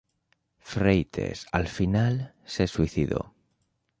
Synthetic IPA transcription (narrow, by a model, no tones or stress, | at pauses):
fɾejt̪ʰḛsa̰lfinal | se̞swiθiðo̞̰